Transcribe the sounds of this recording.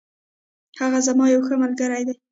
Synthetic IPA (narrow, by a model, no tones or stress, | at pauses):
haɣazamɑjawxəmalɡəɾajd̪aj